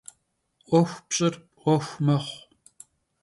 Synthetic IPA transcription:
ʔʷɔxʷpɕʼɪrpʼʔʷɔxʷmɐχʷ

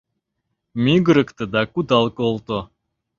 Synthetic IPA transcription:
mʲiɡəɾə̆kt̪ɨ̆d̪ɑkud̪ɑlˠkolˠt̪o

